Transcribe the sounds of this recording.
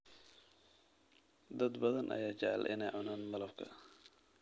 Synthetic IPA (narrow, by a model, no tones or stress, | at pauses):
d̪ɐd̪bɐðɐnʔɐ̰jaːt͡ʃɛʕɛ̰lʔɪ̰nɛjʕʊnaːnbɐlɐbkʰɐ̰